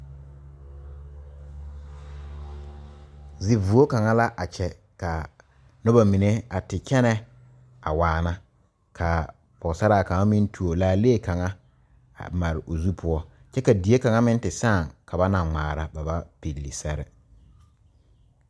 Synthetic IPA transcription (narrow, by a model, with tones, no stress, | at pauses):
zɪ˨vu˨o˦ka˨ŋa˦la˦ʔa˨t͡ʃɛ˨ | ka˨ | nʊ˦ba˨mi˨ne˦a˨tɪ˨t͡ʃɛ˦nɛ˦ | a̰˨waː˨na˦ | kʰa˨ | pɔ˨sa˦ɾa˦˨ka˨ŋa˦mɪ˦n˦tʰu˨o˨laː˨leː˦˨ka˨ŋa̰˦˨ | ma˨ɾɪ˨ʔo˨zu˦pʰʊ˦ɔ˦ | t͡ʃɛ˦ka˨di˨˦e˦ka˨ŋa˦mɪ̃˦n˦tɪ˨sãː˦˨ŋka˨ba˦na˨ŋ͡maː˨ɾa˨ba˨ba˦pe˨lːi˨sɛ˦ɾɪ˨